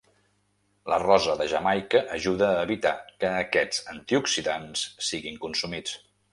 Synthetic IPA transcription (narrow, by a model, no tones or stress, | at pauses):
lərɔzəðəʒəmajkəʔːʒuðəːβit̪akəːkɛ̥d͡zənt̪iuksiðansːiɣiŋkunsumit͡s